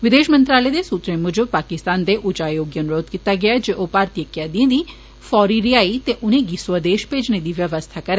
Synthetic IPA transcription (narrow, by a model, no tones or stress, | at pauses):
ʋɪd̪eːʃmə̃nt̪ɾaːleːd̪esuːt̪ɾẽmʊd͡ʒpaːkɪst̪aːnd̪eʔʊt͡ʃaːjoːɡjənʊɾoːd̪kit̪aːɡɪaːd͡ʒeːʔoːpaːɾt̪ijəkijaːd̪ĩẽd̪iː | fɔːɾiɾiaːit̪eʔʊnẽːɡiswəd̪eːʃpeːd͡ʒned̪iːʋjəʋəst̪ʰakɐɾɛː